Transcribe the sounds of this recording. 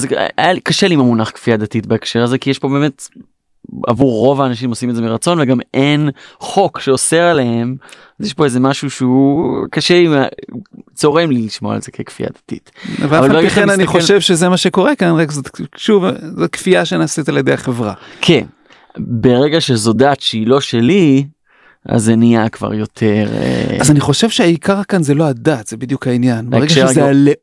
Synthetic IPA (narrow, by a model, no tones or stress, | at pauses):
az̰a̰jalikaʃeliimamunaχkfiad̪atitbaekʃeʁaze̞kijeʃpo̞be̞ːme̞t | a̰vuʁːo̞vaːnaʃ̬imo̞simetzemiʁat͡so̞nveɡamenχo̞kʃeoseʁalehem | azjeʃpo̞ezemaʃuʃeukaʃelia | t͡so̞ʁemliliʃmoa̰lze̞kʰekfḭʔa̰d̪̥atḭtveavfalabeeiaχenaniχoʃevʃezemaʃeko̞ʁekanʁekzot̪ʃuvzot̚kfiaʃenaset̪aljedejaχevʁakʰen | beʁeɡaʃeazodatʃeilo̞ʃeli | ʔa̰zeniakva̰ʁjo̞t̪ʰeʁḛazaniχo̞ʃe̞vʃehaikʰaʁakanzeloadat̪zebid̪jukhainjanbeʁeɡaʃezeale